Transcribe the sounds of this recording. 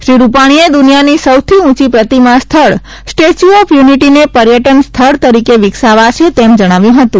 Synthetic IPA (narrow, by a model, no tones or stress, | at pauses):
ʃɾiɾupaɽ̃ied̪unijanisəwt̪ʰiũt͡ʃipɾət̪imãst̪ʰəɭ | sʈet͡ʃuɔfʰjuniʈinepəɾjəʈənst̪ʰəɭt̪əɾikeʋɪksaʋat͡ʃʰet̪emd͡ʒəɽ̃aʋjũɦət̪ũ